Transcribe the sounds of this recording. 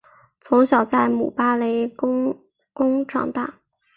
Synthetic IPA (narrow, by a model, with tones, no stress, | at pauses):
t͡sʰo˧˥ʊɕjɑ˨˩ʊt͡sa˥˩ɪmṵ˨˩pa˥le˧˥ɪ˥ | kʊ˥ŋʈ͡ʂʰɑ̰˨˩ŋt̪a˥˩